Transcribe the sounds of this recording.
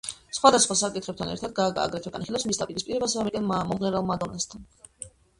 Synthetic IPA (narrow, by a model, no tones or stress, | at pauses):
sχwad̪asχwasakʼit̪ʰχɛp̚t̪ʰanɛ̰ɾt̪ʰad̪̚ɡaa̰ɡɾɛt̪ʰɛɡa̰niχilɛpsmisd̪apʼiɾispʼiɾɛbasaamɛɾɡɛnmɔmʁnɛɾalˠmad̪ɔnast̪ʰan